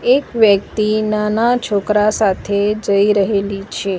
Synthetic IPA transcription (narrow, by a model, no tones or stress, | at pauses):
ekʋjək̚t̪inanat͡ʃʰokɾasat̪ʰed͡ʒəiɾəɦelit͡ʃʰe